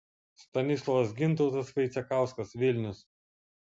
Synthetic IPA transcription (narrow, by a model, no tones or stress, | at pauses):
st̪ɐnʲɪslˠɔʋɐs̬ɡʲɪnˑt̪ɔʊt̪ɐsfɐɪt̪sʲɛkɑˑʊskɐsʋʲɪlʲnʲʊs